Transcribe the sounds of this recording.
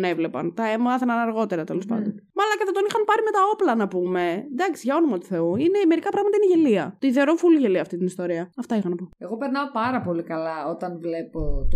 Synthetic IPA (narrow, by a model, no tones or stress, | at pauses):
ne̞vle̞pɐ̰nt̪ɐemɐθɐnɐnɐɾɣo̞t̪e̞ɾɐt̪elo̞spɐ̰nd̪o̞nmɐlɐceθɐt̪o̞nixɐnpɐɾime̞t̪ɐo̞plɐnɐpume̞d̪ɐksiʝɐo̞nomɐt̪u̥θe̞uineme̞ɾikɐpɾɐɣmɐt̪ɐineʝeliɐ̰t̪oiðeɾo̞fulʝeliɐft̪it̪inist̪o̞ɾiɐɐft̪ɐixɐnɐpoe̞ɣo̞pe̞ɾnɐopɐɾɐpo̞likɐlɐo̞t̪ɐnvle̞pot̪